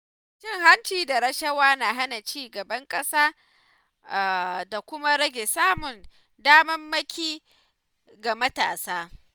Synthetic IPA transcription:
t͡ʃɪ˦ŋha˦nt͡ʃiː˨da˨ɾɐ˦ʃɐ˦waː˦na˨ɦa˦na˨t͡ʃiː˦ɡɐ˨bɐ˦ŋkʼɐ˦saː˦ | a˨da˨kʷʊ˦ma˦ɾɐ˦ɡʲe˨saː˦mʊ˨n | daː˦mɐ˦mːɐ˦kʲiː˦ | ɡa˨mɐ˦taː˨saː˦

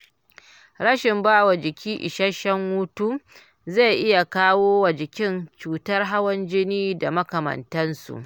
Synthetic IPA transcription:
ɽɐ˦ʃɪ˨mbaː˦˨wɐ˨d͡ʒɪ˨kʲʰiː˦ʔɪ̰˨ʃɐ˦ʃɐ˦ŋwu˦tuː˦ | za˦˨jʔɪ˦ja˨kaː˦woː˦wa˨d͡ʒɪ˨kʲɪ˦nt͡ʃuː˨tɐ˦rɦa˦wɐ˦nd͡ʒɪ˦niː˦da˨mɐ˦kɐ˨mɐ̰˨ntɐ˦nsṵ˨ʔ

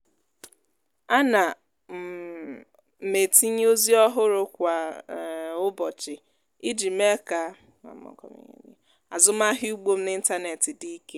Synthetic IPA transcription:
a˦na˨ | m̩˨ | me˨ti˦ɲ˦o˦zi˦ɔ˦ɦʊ˦ɾʊ˦kʷa˨ | ʊ˦bɔ˨t͡ʃɪ˨ | i˦d͡ʒi˨m˦e˦ka˨ | a̰˨m̩˦ɔ̰˨kɔ̰˨mḭ˨ɲḛ˨ɲḛ˦ | a˨zʊ˦m˦a˦ɦɪ˦u˦ɡ͡bo˦m̩˦nɪ˦n̩˦ta˦ne˨tɪ˨di˦i˦ke˦

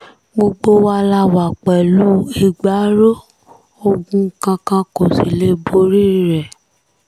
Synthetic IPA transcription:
ɡ͡bo˧ɡ͡bo˧wa˧la˧wa˨k͡pɛ˨lu˦i˦ɡ͡ba˨˦ɾo˦ | o˧ɡũ˦kã˧kã˧ko˨si˨le˦bo˧ɾi˦ɾɛ˨

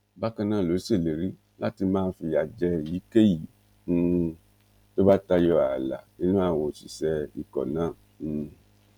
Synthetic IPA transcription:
ba˦kã˧nãː˦˨lo˨˦se˦˨le˨ɾi˦ | la˦ti˧mãː˦˧n̩˦fi˧ja˨d͡ʒɛ˧˨ji˨˦ke˦jĩ˨˧ | to˦ba˦ta˧jɔ˧a˨la̰˨nĩ˦nũ˦a˦˧˨wo˧˨ʃi˨sɛ˧i˨kɔ̰˨nãː˦˨˧

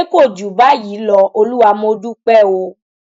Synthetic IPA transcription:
ko˦˨d͡ʒu˨ba˦ji˨˦lɔ˧o˧lu˦wa˧mo˧˦du˦k͡pɛ˦˨wo˧

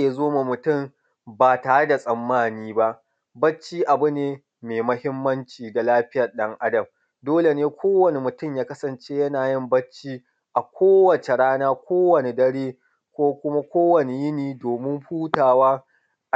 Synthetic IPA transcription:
a˦zoː˦ma˨mʊ˨tʊ˦˨m | baː˨taː˨ɽe˦da˨sʼɐ˨mːaː˦niː˦ba˦ʔ | bɐ˦t͡ʃːiː˦ʔa˨bʊ˦neː˨ | meː˨mɐ˦hɪ˦mːɐ˦nt͡ʃiː˨da˨laː˦ɸɪ˦jɐ˨rɗɐ˦ŋʔa˦dɐ˨m | doː˦le˨neː˦kʷʰoː˦wɐ˨ne˨mʊ˨tʊ˦˨mjaː˦kɐ˦sɐ˨nt͡ʃe˦jɐ˦naː˨jɪ˦˨mbɐ˦t͡ʃːiː˦ | ʔa˨kʷoː˦wɐ˨t͡ʃe˨ɽaː˦naː˦kʷoː˦wɐ˨ne˨dɐ˦ɽeː˦ | kʷoː˦kʷʊ˦ma˦kʷoː˦wɐ˨ne˨jɪ˦niː˨doː˨mɪ˦mɸuː˦taː˨waː˦˨

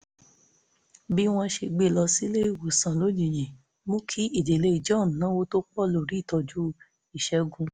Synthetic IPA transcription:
bi˦w̃ɔ̃˧ʃe˧ɡ͡be˦˨lɔ˧si˦le˦i˦˨wo˨sã˨lo˨˦d͡ʒi˨j̃ɛ̃˨ | mõ˦kʰi˦i˦˨d͡ʒe˨le˧i˨d͡ʒɔ̃˦˨n˨nã˦wo˦to˦k͡pɔ˦˨lo˨ɾi˨˦˨tɔ˧d͡ʒu˦ | i˦˨ʃɛ˦ɡũ˧

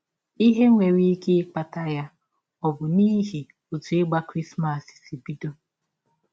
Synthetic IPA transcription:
i˦ɦe˦ŋʷe˨ɾi˦i˦ke˦k͡pa˨ta˦ja˦ | ɔ˨bʊ˨ni˦ɦi˨ | o˨tu˨e˦ɡ͡ba˦kɾi˦sma˨si̥˨si˨bi˦do˦

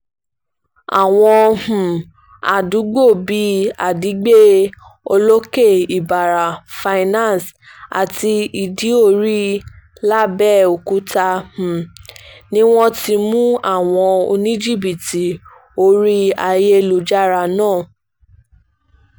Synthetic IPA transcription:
a̰˨w̃ɔ̃˧h̩˨ | a̰˨du˨˦ɡ͡bo˦˨bi˨˦a˨di˨˦ɡ͡be˦ | o˧lo˦ke˦˨i˨ba˨ɾa˨fa˧i˧nã˦˨s | a̰˨ti˧i˧di˨˦o˦˧˨ɾi˦ | la˦bɛ˦˨o˨ku˨˦ta˧h̩˨nĩ˦w̃ɔ̃˦ti˧mũ˦a˦˨w̃ɔ̃˧o̰˧nĩ˦d͡ʒi˦˨bi˨ti˨ | o˧ɾi˦a˧je˦˧lu˨d͡ʒa˦ɾa˧nãː˦˨

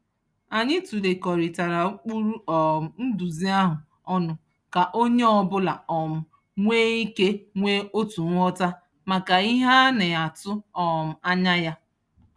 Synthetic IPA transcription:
a˨ɲɪ˦tu˨de˨kɔ˨ɾi˨ta˨ɾa˨˦k͡pu˦ɾu˦ɔ˨n̩˦du˨zi˦a˦ɦʊ˨ | ɔ˦nʊ˨ | ka˨ʔo˦ɲe˦ɔ˨bʊ˦la̰˨ɔ˨mʊ˦˨ | ŋʷeː˦i˦ke˦ŋʷe˦o˦tu˨ŋ̩ʷ˦ɔ˦ta˦ | ma˨ka˨i˦ɦa˦ne˨a˨tʊ˦ɔ˨m̩˨a˦ɲa˦ja˦

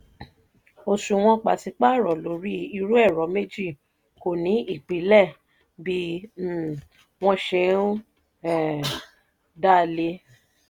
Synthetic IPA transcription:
o˧ʃu˧w̃ɔ̃˧k͡pa˨si˧k͡pa˦˨ɾɔ˨lo˨˦ɾi˦i˧ɾu˦ɛ˦˨ɾɔ˨˦me˦d͡ʒi˦˨ | ko˨nĩ˨˦i˦˨k͡pi˨˦lɛ˦˨ | bi˦˨ | w̃ɔ̃˧ʃe˧˦ | ɛ˦˨ | da˦˨le˧˦

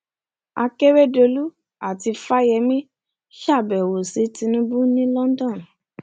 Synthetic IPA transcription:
a̰˧ke˦we˦do˧lu˦ | a˦˨ti˧fa˦jɛ˧mĩ˦ | ʃa˦˨bɛ˨wo˨si˨˦tĩ˧nũ˦bũ˦nĩ˦lɔ̃˦n̩˦dɔ̃˦˨

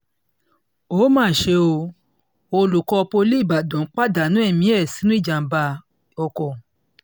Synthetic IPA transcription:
o˨˦mãː˦˨ʃe˧o˧ | o˧lu˨kɔ˧po˧li˦i˦˨ba˨dɔ̃˨˦k͡pa˦da˨nũ˨˦ɛ˦˨mĩ˦ɛ˦˨si˨˦nũ˦i˦˨d͡ʒa˨m̩˨ba˧ | ɔ˧kɔ˨

